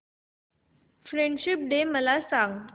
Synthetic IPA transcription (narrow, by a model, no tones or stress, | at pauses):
fɾeɳɖɕip̚ɖeməlasãŋɡ